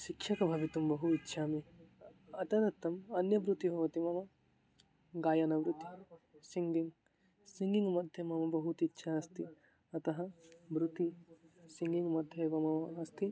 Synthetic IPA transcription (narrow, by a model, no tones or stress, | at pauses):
ʃikʃɐkɐbʱɐʋit̪umbɐɦuitːʃʰaːmi | ɐt̪ɐnɐt̪ːɐmɐnjɐbɾut̪iɦɐʋɐt̪imɐmɐ | ɡaːjɐnɐʋɾut̪isiŋɡiŋɡ | siŋɡiŋɡmɐd̪ʱjɐmɐmɐbɐɦut̪itːʃʰaɐst̪i | ɐt̪ɐɦɐbɾut̪isiŋɡiŋɡmɐd̪ʱjɐʋɐmɐɐɐst̪i